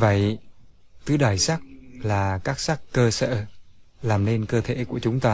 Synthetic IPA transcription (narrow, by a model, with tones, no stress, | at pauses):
və̰˧˨j | t̪ɨ˨˦ɗaː˧˩jsa˦˥k̚laː˨˩kaː˦˥k̚sa˦˥kkːəː˧sə̰ː˧˨laː˨˩mne˧nkəː˧t̪ʰḛ˧˩ku˧˩ət͡ɕʊ˨˦ŋ͡mt̪aː˧